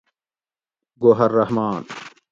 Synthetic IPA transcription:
ɡoɦɐɾːɐhmaːn

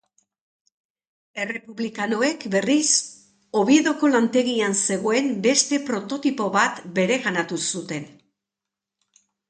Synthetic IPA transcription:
e̞re̞puβlikano̞e̞kbe̞ris | o̞βie̞ðo̞ko̞lant̪e̞ɣianse̞ɣo̞e̞mbe̞st̪e̞pɾo̞t̪o̞t̪ipo̞βat̪be̞ɾe̞ɣanat̪usut̪e̞n

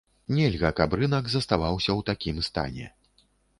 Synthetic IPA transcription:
nʲɛlʲɣɐkabɾɨnɐkzɐst̪avawsʲɐwt̪akʲimst̪a̰nʲɛ̰

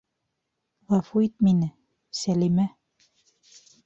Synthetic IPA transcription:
ʁɑfuit̪̚minɘ | sælimæ

